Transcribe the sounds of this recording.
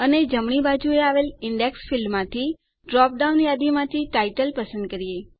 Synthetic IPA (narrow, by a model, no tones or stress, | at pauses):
əned͡ʒəmɳ̃ibad͡ʒueaʋelɪɳɖeksfilmːãt̪ʰi | ɖɾɔp̚ɖaunjad̪imãt̪ʰiʈajʈəlpəsə̃nd̪̚kəɾije